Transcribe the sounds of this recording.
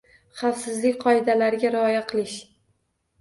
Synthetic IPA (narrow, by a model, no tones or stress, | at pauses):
χɑfsɪzlɪkʲqʰɒɪd̪alaɾɪɡʲaɾɪɒjaqʰɨlˠɪʃ